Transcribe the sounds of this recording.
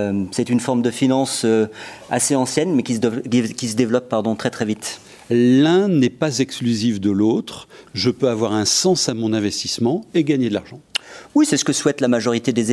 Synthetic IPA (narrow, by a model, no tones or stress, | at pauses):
sɛt̪ynfɔʁmd̪əfinɑ̃søa̰seɑ̃sjɛnmɛkʲiskʲisəd̪evlɔpːaʁd̪ɔ̃t̪χɛt̪χɛvit̪ | lɛ̃nɛpazɛksklyzifd̪əlot̪χʒəpøavwaʁɛ̃sɑ̃samɔ̃nɛ̃vɛst̪ismɑ̃eɡaɲed̪əlaʁʒɑ̃wisɛsə̥kəswɛt̪lamaʒɔʁit̪ed̪e